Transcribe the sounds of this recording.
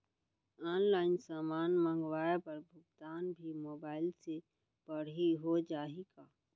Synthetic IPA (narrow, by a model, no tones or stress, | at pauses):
ɔːnlaːɪnsaːmaːnmə̃ŋɡwaːepɐɾbʱʊɡ̚t̪aːnbʱimoːbaːɪlse | b̥əɽ̤ɦiɦod͡ʒaːeɡaː